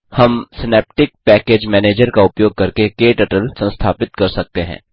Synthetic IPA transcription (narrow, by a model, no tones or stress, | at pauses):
hɐmsɪneːp̚ʈɪk̚pɛːkeːd͡ʒmɛːneːd͡ʒəɾkaʊpjoːɡ̚kɐɾkekeːʈɐʈəlsɐ̃nst̪ʰaːpɪt̪̚kɐɾsɐk̚t̪eɦɛ̰̃ː